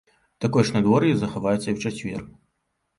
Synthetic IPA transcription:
t̪akɔjʂnad̪vɔɾjizɐxavajɛt̪sːɐiwt͡ʂɐt͡sʲvʲɛ̰r

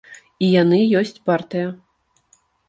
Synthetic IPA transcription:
ijanɨjɔsʲt͡sʲpart̪ɨjɐ

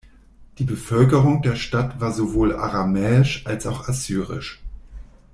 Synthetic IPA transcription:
d̥iːbəfœlkəʁʊŋdeːɐʃtatv̥aːɐzovoːla̰ʁamɛːɪʃʔalsaʊxazyːʁɪ̰ʃ

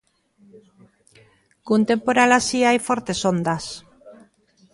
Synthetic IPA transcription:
kunt̪empoɾalasiajfoɾt̪e̞sond̪as

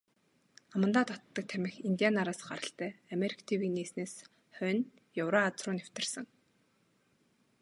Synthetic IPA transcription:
amə̆nt̪aːt̪ʰɔt̪ːə̆k̚t̪ʰæmʲɪ̆xint̪ʲianaɾaːsɢaɾə̆ɬt̪æːameɾʲi̥kʰḁt̪ʰiwiːneːsneːs | χœn | jawɾaat͡srʊːnæw̥ʲt̪ɪ̆rsə̆ŋ

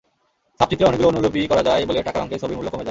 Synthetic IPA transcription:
ʃab̚p̚t͡ɕit̪ɾeɔnekɡuloonulobikɔɾad͡ʑaeboleʈakaɾɔ̰ŋket͡ɕʰobiɾmulːokomed͡ʑa

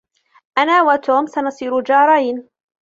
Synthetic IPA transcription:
ʔanaːwat̪ʰuːmsanɑsˤiːɾud͡ʒɑːɾˤɑjn

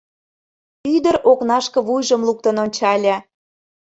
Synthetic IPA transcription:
yd̪əɾoknɑʃkɤ̆βujʒəmluk̚t̪ə̆nonʲt͡ɕɑlʲɑ

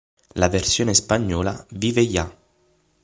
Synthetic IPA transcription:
laversjoːnespaɲːɔːla̰viːveja

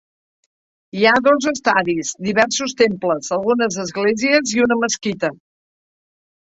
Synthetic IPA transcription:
iaðozəst̪aðizd̪iβɛɾsust̪empləzəlˠɣunəzəzɣleziəziunəməskit̪ə

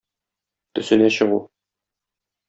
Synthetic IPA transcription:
t̪ɵ̆sɘ̆næɕɤ̆ʁu

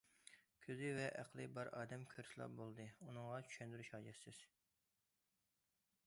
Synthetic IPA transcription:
kʲʰøzɪvɛʔæqlˠɨbɑɾʔɑːd̪ɛmkʲʰøɾsɨlˠɑ̰p̚bolˠd̪ɨunɨŋʁɑt͡ʃʰy̥ʃɛnd̪yɾyʃhɑːd͡ʒɛsɪz̥

